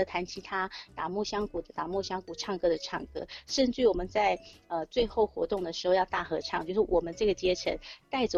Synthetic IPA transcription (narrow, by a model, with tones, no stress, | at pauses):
ə˧˩t̪ʰa˧˥nt͡ɕʰi˧˥t̪ʰa˥t̪a˨˩mwɔ˥˩ɕjɑ˥ŋku˨˩d̪ə˦˩t̪a˨˩mwɔ˥˩ɕjɑ˥ŋku˨˩ʈ͡ʂʰɑ˥˩ŋkɤ˥d̪ə˨ʈ͡ʂʰɑ̰˥˩ŋkɤ̰˥ʂə˥˧nʈ͡ʂɻ̩y˥˩wɔ˨˩mə˦nt͡sa˥˧ɪə˧t͡swe˥˧ɪxo˥˩ʊxwɔ̰˧˥t̪ʊ˥˩ŋd̪ə˩ʂɻ̩˧˥xo˥˧ʊjɑ˥˧ʊt̪a˥˩xɤ˧˥ʈ͡ʂʰɑ˥˩ŋt͡ɕjo˥˧ʊʂɻ̩ɔ˥˩wɔ˨˩mə˦nʈ͡ʂɤ˥˩ɡə˩t͡ɕjɛ˥ʈ͡ʂʰə̰˧˥nt̪a˥˩ɪʈ͡ʂə˧